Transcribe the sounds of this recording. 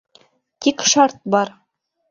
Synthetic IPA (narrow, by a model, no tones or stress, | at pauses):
t̪ikʃɑɾt̪̚bɑɾ